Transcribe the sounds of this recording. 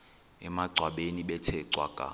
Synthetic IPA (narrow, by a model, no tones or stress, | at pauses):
ɛmaǀʱwaɓeniɓɛtʰɛǀwa̰kʼa̰